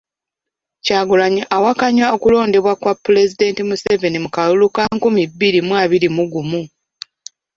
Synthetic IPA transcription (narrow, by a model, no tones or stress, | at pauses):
caːɡulaɲiʔawakaɲao̞kulo̞ːnde̞βwakwapːule̞zide̞ːntimuse̞ve̞nimukalulukaŋkumibːiɾimwaːβiɾimuɡumu